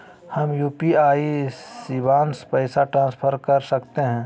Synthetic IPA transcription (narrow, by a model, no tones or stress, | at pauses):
hɐmjuːpiaːisibaːnspəɪsaʈɾãːnspʰəɾkɐɾsɐkt̪eɦɛ̃ː